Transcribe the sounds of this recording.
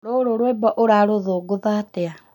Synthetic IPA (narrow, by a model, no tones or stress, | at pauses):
ɾoɾoɾwebɔʔoɾaːɾoðoɡoðatea